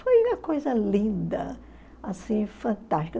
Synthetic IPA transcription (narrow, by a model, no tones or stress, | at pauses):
fojũmɐ̃kojzɐlĩnd̪ɐ̰ | asĩfɐ̃nt̪aʃt͡ʃi̥kɐ